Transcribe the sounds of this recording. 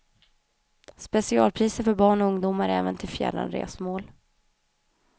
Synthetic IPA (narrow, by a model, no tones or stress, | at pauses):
spɛsɪɑ̰ːlpʰɾiːsəɾfœɾbɑːɳɔɵŋd̪uːmaɾɛ̰ːvənt̪ʰɪlfjɛ̰lːa̰nɾḛːsmoːl